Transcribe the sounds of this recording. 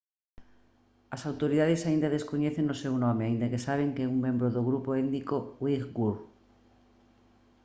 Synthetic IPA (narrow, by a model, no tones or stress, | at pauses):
asawt̪oɾiðaðe̞saĩnd̪aðe̞skoɲeθẽnose̞wnõmeaind̪ake̞saβ̞e̞ŋkeuŋmẽ̞mbɾoðoɣɾupoend̪ikowikɡuɾ